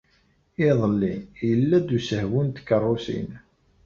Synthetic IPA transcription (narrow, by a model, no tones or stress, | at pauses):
ɪðˤəlːinjəlːæd̪usəhwənt̪ə̥kːərˤːosḭn